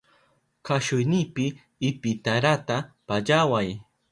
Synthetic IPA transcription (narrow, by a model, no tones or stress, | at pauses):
kaʃʊjnɪpɪː | pɪt̪aɾat̪apaʎawaj